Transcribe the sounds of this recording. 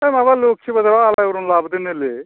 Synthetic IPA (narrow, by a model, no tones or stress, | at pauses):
emabaloːk̚t͡ʃʰibɐd̪ɾʋaːlaɾunlaːbd̪enele